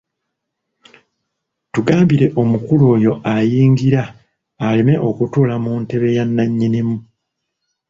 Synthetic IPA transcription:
tuɡaːmbiɾe̞ʔo̞mukulo̞ːjo̞ʔajiːŋɡiɾaː | leme̞ʔo̞kutuːlamunte̞βe̞janːaɲːinimu

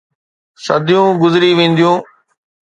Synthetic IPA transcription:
sɐd̪ʱijũːɡʊzɪɾiʋẽːn̆d̪ijũː

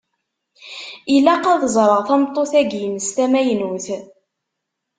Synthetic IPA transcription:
ilæqɑðəzˤɾˤəʁθæmt̪ˤːoθæɡjənəst̪æmæjənuθ

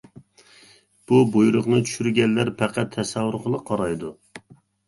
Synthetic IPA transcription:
b̥ubojɾʊqnɨt͡ʃʰy̥ʃyɾɡʲɛnːæɾpʰæqʰæt̪ʰːɛsɛwːuɾqʰəlˠəqʰːɑɾɑjd̪u

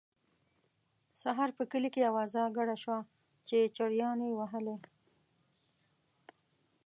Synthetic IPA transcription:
saɦɑɾpəkəlikejawazɑɡaɽaʃwa | t͡ʃet͡ʃaɽjɑnewaɦəle

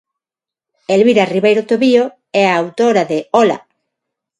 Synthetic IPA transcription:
elβiɾariβejɾot̪oβio | ɛaːwt̪oɾaðeɔla̰

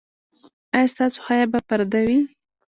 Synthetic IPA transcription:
ajɑst̪ɑso̥xɑjabapaɾad̪awi

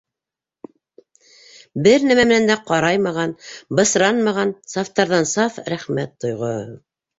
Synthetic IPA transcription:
bɘɾnæmæmɘ̆nænd̪æqɑɾɑjmɑʁɑnbɤ̆sɾɑnmɑʁɑnsɑft̪ɑɾðɑnsɑfɾæχmæt̪ːŏjʁo

